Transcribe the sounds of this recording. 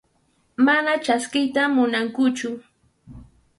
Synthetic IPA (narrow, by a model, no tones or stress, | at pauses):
manat͡ʃaskɪjt̪amʊnaŋkʊt͡ʃʊ